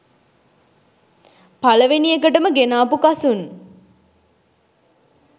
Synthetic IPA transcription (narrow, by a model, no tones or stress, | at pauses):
paləʋeniekəʈəməɡenaːpukasun